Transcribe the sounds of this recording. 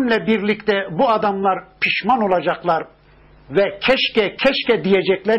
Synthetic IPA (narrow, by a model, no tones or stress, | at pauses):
nlʲɛbiɾlʲict̪ɛbuad̪amlˠaɾpʰiʃmano̞lˠad͡ʒaklˠaɾ | vɛcʰɛʃcɛcʰɛʃcɛd̪ijed͡ʒɛclʲæ